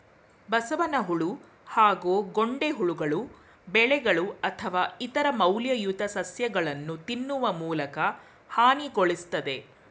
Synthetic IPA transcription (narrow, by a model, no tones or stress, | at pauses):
bɐsɐʋɐnɐɦuɭu | haːɡoːɡo̞ɳɖeɦuɭuɡɐɭu | bɛɭɛɡɐɭuɐt̪ʰɐʋaːit̪ɐɾɐmɐwljɐjut̪ɐsɐsjɐɡɐɭɐnːut̪inːuʋɐmuːlɐkɐ | haːniɡoɭist̪ɐd̪e̞